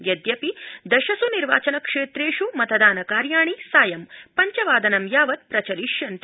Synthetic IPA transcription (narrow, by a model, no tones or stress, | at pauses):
jɐd̪jɐpid̪ɐʃɐsuniɾʋa̰ːt͡ʃɐnɐkʂeːt̪ɾeːʃumɐt̪ʰɐd̪aːnɐkaːɾjaːɳisaːjɐmpɐɲt͡ʃɐʋaːd̪ɐnɐmjaːʋɐt̪̚pɾɐt͡ʃɐliʃjɐnt̪i